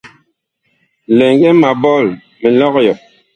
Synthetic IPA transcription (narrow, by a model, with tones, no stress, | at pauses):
lɛ˨ŋɡɛ˦ma˨bɔ˦˨l | mi˨lɔ˦kjɔ˨